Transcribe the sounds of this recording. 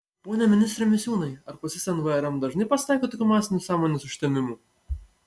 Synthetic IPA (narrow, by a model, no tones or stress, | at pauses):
poːnʲɛmʲɪnʲɪst̪ʲɾʲemʲɪsʲuːnɐɪɐɾpɐsʲɪsʲɛnʋɐɛɾɛmd̪ɐʒnɐɪpɐsʲt̪ɑˑɪkʲot̪oːkʲuːmɑːsʲɪnʲʊsɑːmoːnʲeːsʊʃʲt̪ʲɛmʲɪmuː